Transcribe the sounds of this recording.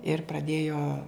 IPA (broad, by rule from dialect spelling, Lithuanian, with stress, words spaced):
ɪr prɐˈdʲeːjoː